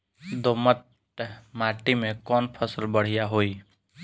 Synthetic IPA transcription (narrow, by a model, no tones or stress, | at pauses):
d̪oːmət̪̚ | maːʈimẽkɔːnpʰəsəlbəɽ̤ijaɦoːiː